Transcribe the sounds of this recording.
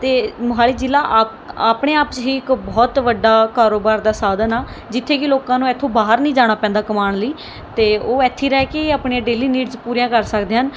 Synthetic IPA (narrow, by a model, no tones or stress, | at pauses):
t̪eːmʊɦaːliːd͡ʒɪlːaːʔ | aːpɽ̃eːaːpt͡ʃɦiːɪkbɔːt̪ʋəɖaːkaːɾoːbaːɾd̪aːsaːd̪ənaː | d͡ʒɪt̪ʰːeːkɪloːkãːnũːɛt̪ʰːõːbaːɦəɾnəĩːd͡ʒaːɽ̃aːpɛ̃ːnd̪aːkəmaːɳləiː | t̪eːoːɛːt̪ʰːiːɾɛːkeaːpɳeãːɖeːliːniːɖzpuːɾijãːkəɾsəkd̪eːɦən